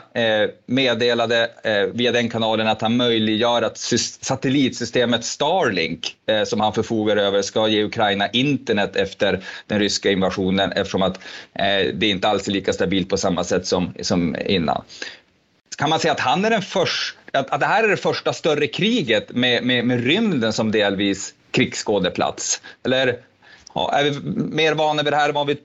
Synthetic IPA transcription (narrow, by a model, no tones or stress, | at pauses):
meːd̪eːlad̪əviːad̪ɛnkʰanɑːlənat̪hanmœjlɪɡjœːɾat̪sʏsat̪əliːt̪sʏst̪eːmət̪st̪ɑːɾlɪ̰ŋksɔmhanfœɾfuːɡaɾəøːvəʂkajeːʉkʰɾajnaʔɪnt̪əɳɛt̪ːɛft̪əɾd̪̥ɛnɾʏskaɪnvaɧuːnənʔɛ̰ft̪əʂɔmat̪ | d̪ɛɾɪnt̪əalsɛliːkast̪abiːt̪̚pʰɔsamːasɛt̪ːsɔmsɔmɪ̰nːa̰n | kʰanmansɛjːat̪hanːæɖɛnfœʂaat̪̚d̪ɛɦæːɾæɖɛfœʂʈast̪œɾːəkʰɾiːɡət̪mɛmɛmɛɾʏmd̪ənsɔmd̪eːlviːs | kʰɾiːɡskoːd̪əpʰla̰t̪sɛlːəɾ̰ | æ̰ɾvɪmeːɾvɑːnavɪd̪ɛɦæːɾvɑːnvɪ